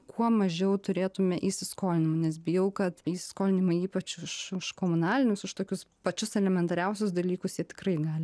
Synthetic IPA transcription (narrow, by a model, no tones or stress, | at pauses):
kuɔmɐʒʲɛʊt̪ʊɾʲeːt̪ʊmʲɛʔiːsʲɪskoːlʲɪnʲɪmɐnʲɛsbʲɪjɛʊkɐt̪iːsʲɪ̥skoːlʲɪnʲɪmɐiːpɐt͡ʃʊʃʊʃkoːmʊnɑːlʲɪnʲʊsʊʃt̪oːkʲʊspɐt͡ʃʲʊsɛlʲɛmʲɛnt̪ɐɾʲɛʊsʲʊsd̪ɐlʲiːkʊsjiɛt̪ʲɪ̥krɐɪɡɑːlʲɪ